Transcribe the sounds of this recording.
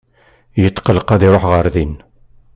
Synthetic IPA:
jət̪ːqəlqæðiɾˤoħʁəɾðin

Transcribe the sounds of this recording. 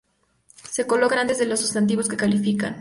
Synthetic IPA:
se̞ko̞lo̞kanãnt̪ezðe̞lo̞sːust̪ant̪̬iβo̞ske̞kalifika̰n

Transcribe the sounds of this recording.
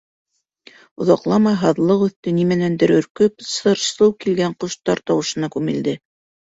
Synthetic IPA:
ŏðɑqlˠɑmɑjɦɑðlˠɤqʉ̆θt̪ɘnimænænd̪ɘ̆ɾɵ̆ɾkɵpsɤɾsɤwkilɡæɴqŏʃt̪ɑɾt̪ɑwɤ̆ʃɤ̆nɑkʉmɘ̆ld̪ɘ

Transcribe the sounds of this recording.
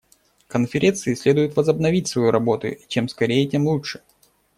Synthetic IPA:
kənfʲɪɾʲʔent̪sɨɪsʲlʲed̪ʊjʊt̪vəzəbnɐvʲitʲsvɐjuɾʔɐbo̞t̪ʊ̰t͡ɕe̞mskɐɾʲejətʲemlˠuʂɨ̥

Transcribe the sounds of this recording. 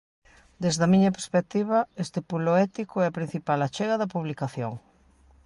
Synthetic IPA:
d̪ezðɐmĩɲɐpeɾspek̚t̪iβ̞ɐest̪epuloɛt̪ikoɛɐpɾin̟θipalat͡ʃɛɣɐðɐpuβlikaθjoŋ

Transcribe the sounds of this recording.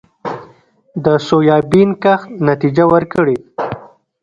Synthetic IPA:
d̪əsojɑbinkaxnat̪id͡ʒawəɾkəɽe

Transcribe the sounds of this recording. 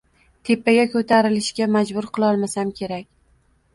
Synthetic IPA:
t̪ʰe̞pːaɡʲakʰɵt̪ʰaɾɪlɪʃɡʲamad͡ʒbʊɾqʰɨlˠɒlˠmasamkʲʰe̞ɾakʲ

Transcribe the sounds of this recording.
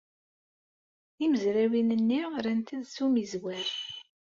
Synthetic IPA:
iməzɾæwinənːiʁɾænt̪əðsumizwæɾ

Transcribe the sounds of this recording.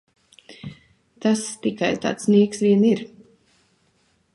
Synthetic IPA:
t̪ast̪ikajt̪a̰ːt̪sniɛksvʲiɛniɾ

